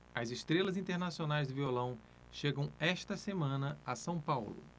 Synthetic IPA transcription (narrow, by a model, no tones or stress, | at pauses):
ɐzɪst̪ɾelɐzĩt̪eɾnasionajzd̪ɪviolɐ̃w̃ | ʃeɡɐ̃w̃ɛʃt̪ɐsemɐ̃nɐɐsɐ̃w̃pawlʊ̰